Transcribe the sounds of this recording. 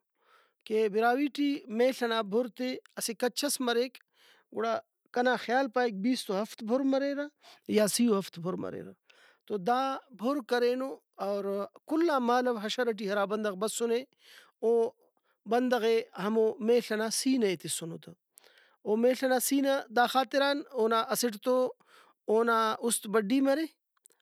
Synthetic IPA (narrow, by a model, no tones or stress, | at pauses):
kebiɾaːwiːʈiːmẽːɬɐnaːbʱoɾt̪eɐsekɐt͡ʃʰɐsmɐɾek | ɡuɽaː | kɐnaːxjaːlpaːik̚biːst̪oɦɐft̪bʱoɾmɐɾeːɾajaːsijoɦɐft̪bʱoɾmɐ̰ɾḛːɾa | t̪od̪aːbʱoɾkɐɾeːno | ɐːɾkulːaːmaːlɐʋɦɐʃɐɾɐʈ̬iːɦɐɾaːbɐnd̪ɐɣbɐsːuneː | oː | bɐnd̪ɐɣeːɦɐmoːmeːɬɐnaːsiːnɐet̪isunot̪ɐ | oːmeːɬɐnaːsiːnad̪aːxaːt̪iɾaːnoːnaːʔɐsɪʈ̬t̪o | oːnaːust̪bɐɖːiːmɐɾeː